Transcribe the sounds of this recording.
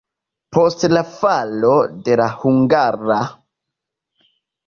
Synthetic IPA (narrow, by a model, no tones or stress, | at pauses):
po̞stlafalo̞de̞lahuŋɡaɾa